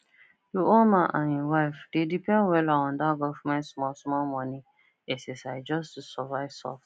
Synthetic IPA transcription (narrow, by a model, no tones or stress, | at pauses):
jiʔõnmãʔãniwaɪfd̥edipɛ̃nwɛlaɔ̃ndaɡɔfmãɪsmɔsmɔlmɔ̃nĩ | ɛsɛsaɪd͡ʒɔstusɔvaɪvsɔ̰ft